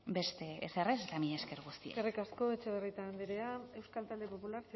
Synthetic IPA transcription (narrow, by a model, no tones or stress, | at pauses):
be̞st̪e̞ːsereset̪amiɲeskeɾɣust̪iḛarikasko̞et͡ʃe̞β̞erit̪and̪iɾe̞ae̞wskalt̪ald̪e̞po̞pulaɾs